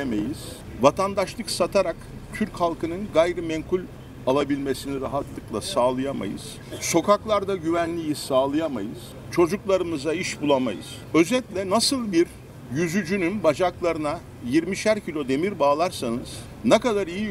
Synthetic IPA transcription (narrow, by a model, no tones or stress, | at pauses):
emejiz̥ | vat̪ʰand̪aʃlˠɯksat̪ʰaɾakt̪ʰyɾchalˠkɯnɯnɡajɾɯmɛŋkʰulʲ | alˠabilʲme̞siniɾaɦat̪lˠɯklˠasaːlˠɯjama̰jɯ̰z̥ | so̞kʰaklˠaɾd̪aɟyvænlʲijisaːlˠɯjama̰jɯz̥ | t͡ʃʰo̞d͡ʒuklˠaɾɯmɯzaiʃbulˠama̰jɯ̰z̥ | ø̞zɛt̪lʲɛnasɯlˠbiɾ | jyzyd͡ʒynynbad͡ʒaklˠaɾɯna | jiɾmiʃæɾcʰilʲo̞d̪e̞miɾbaːlˠaɾsanɯz̥ | nekad̪aɾiji